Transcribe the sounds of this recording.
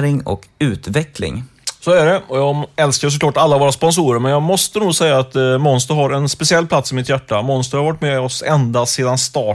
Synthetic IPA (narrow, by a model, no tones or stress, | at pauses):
ɾɪŋɔ̰kʉ̟ːt̪vɛklɪ̰ŋ | soːæɖɛɔjɑːɡɛlskaɾs̬ɔkʰlɑːʈalːavoːɾaspɔns̬uːɾəɾmɛnjɑːɡmɔst̪ənuːɡsɛjːaːt̪mɔnst̪əɾɦaɾɛnspɛsɪɛlːpʰlat̪sɪmɪt̪jæʈːamɔnst̪əɾhaɾvaʈːmɛɔsɛnd̪aseːd̪anst̪ɑː